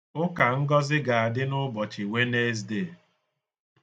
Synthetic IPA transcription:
ʊ˦ka˨ŋ̩˦ɡɔ˦zɪ˦ɡa˨a˨dɪ˦nʊ˦bɔ˨t͡ʃɪ˨we˦ne˦z̬de˦˨

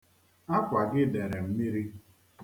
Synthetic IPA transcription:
a˦kʷa˨ɡɪ˦de˨ɾe˨m̩˦mi˦ɾi˦

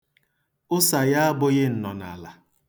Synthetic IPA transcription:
ʊ˦sa˨ja˦a˦bʊ˦ɣɪ˦n̩˨nɔ˨na̰˨la˨

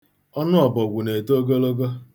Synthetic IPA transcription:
ɔ˦nʊ˦ɔ˨bɔ˨ɡʷu˨ne˨to˦ɡo˦lo˦ɡo˦

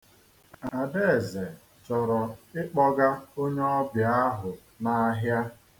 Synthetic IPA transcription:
a˨de˦˨ze˨ | t͡ʃɔ˨ɾɔ˨ɪ˦k͡pɔ˦ɡa˦o˦ɲe˦ɔ˦bja˨˦a˦ɦʊ˨ | na˨˦ɦja˦

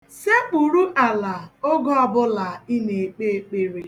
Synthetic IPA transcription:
se˦pu˨ɾu˦ʔa˨la˨o˦ɡɔ˦ɔ˨bʊ˦la˨i˦ne˨k͡pe˦˨k͡pe˦ɾe˦

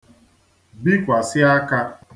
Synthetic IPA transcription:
bi˦kʷa˨sɪ˦a˦ka˦

